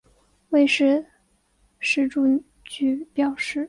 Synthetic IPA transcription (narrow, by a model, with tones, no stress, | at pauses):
we˥˧ɪʂɻ̩˥˧ | ʂɻ̩˥˧ʈ͡ʂu˥˧ | t͡ɕy˥˩pjɑ˨˩ʊʂɻ̩˥˩